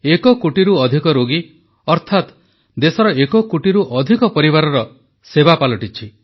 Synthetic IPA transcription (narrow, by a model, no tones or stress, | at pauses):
ekɔkoʈiɾuɔd̪ʱikɔɾoɡi | ɔɾt̪ʰat̪ | d̪esɔɾɔekɔkuʈiɾuʔɔd̪ʱikɔpɔɾibaɾɔɾɔ | sebapalɔʈit͡ʃʰi